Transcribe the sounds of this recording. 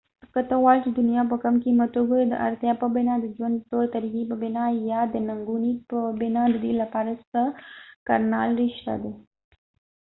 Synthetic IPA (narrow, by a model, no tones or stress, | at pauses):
kat̪əwajlt͡ʃed̪ʊnijap̬əkamkimat̪oɡod̪ə̰ʔa̰ɾt̪japəbɪnad̪əd͡ʒwand̪̚p̪ot̪aɾiɡipəbɪnajɑd̪ənaŋɡunipəbɪnad̪əd̪ilapɑɾast̪aka̰ɾnɑ̰lɾɪʃt̪a̰d̪e